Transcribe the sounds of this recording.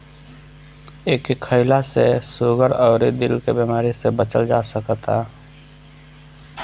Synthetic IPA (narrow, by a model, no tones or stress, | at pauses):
eːkikʰːəɪlasesoːɡəɾɔːɾid̪ɪlkebimaːɾisebət͡ʃəld͡ʒaːsəkt̪a̰